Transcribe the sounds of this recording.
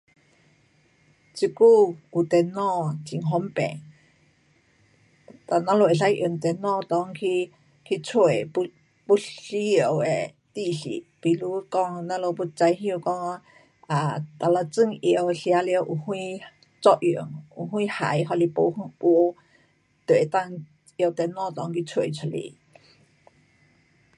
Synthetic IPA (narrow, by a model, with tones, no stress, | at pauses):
t͡si˧ku˧˨u˨t̪ɛ˨nɔ̃˧˨t͡si˧˨ŋɦo˧˦mpɛ̰˨ | t̪a˨nã˧˦lo˧e˨˩a˧˦jʔə˧˩˨nt̪ɛ˨nɔ̃˧˨t̪ɔ˧˦ŋkʰi˧ | kʰi˧t͡sʰwe˨˧ | bu˧˦ɬi˧˦ə˧˨we˨ | t̪i˧˨ɬḭ˧˨ʔpi˧lu˦kɔ˧ŋna˧lo˧bu˧t͡sa˧jɦjə˧kɔ˧ŋ˧ | a˨t̪a˨la˧t͡sɨ˧ŋi˧ə˧˨wɬi˧a˧˦li˧ə˧wʔu˧hũ˧i˦˧ | t͡sɔ˧ʔju˨ə˨ŋu˧˨ɦũ˧i˦ha̰˨jɦɔ˧˨li˧po˧hpu˧˦ | t̪u˨e˨t̪a˧ŋ | jə˧˨wt̪e˨nɔ̃˧˨t̪ɔ˧ŋki˧t͡sʰwe˨t͡sʰɔ˧lḭ˨